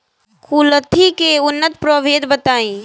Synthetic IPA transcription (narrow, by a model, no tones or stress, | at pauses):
kuːlət̪ʰikeʊnːət̪pɾoʋeːd̪bət̪aːĩː